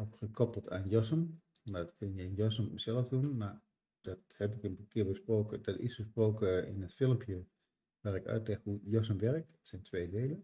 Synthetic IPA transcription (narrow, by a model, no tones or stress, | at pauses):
opxəkʰɔpəlˠtʰanjɔsəm | nɔtkʰɪnjəɪnjɔs̬əməsɛlˠəfdunmar | d̥ɔthɛpɪkənkʰɪəbəsproːkədɔtɪ̰sbəsproːkəɪ̰nətfɪlˠəmpʰjə | ʋaːɾɪkœ̰ɥtlɛxhujɔs̬əmʋɛrk̚tsɛntʰʋeːdeːlə